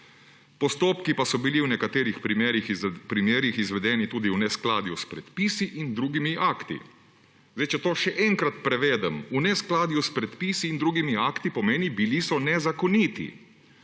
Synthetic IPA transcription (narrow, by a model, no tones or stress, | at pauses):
pɔst̪oːpkipasɔbiliwnɛkat̪eːɾixpɾimeːɾixpɾimjeːɾixizʋɛd̪ɛːnit̪uːd̪iunɛsklaːd̪juspɾɛt̪piːsiʔind̪ɾuːɡimiʔaːkt̪ḭ | zd̪ɛjt͡ʃɛt̪oːʃɛʔɛŋkɾat̪pɾɛʋɛːd̪ɛmunɛsklaːd̪juspɾɛt̪piːsiːnd̪ɾuːɡimiaːkt̪ipɔmeːnibilisɔnɛzakɔniːt̪ḭ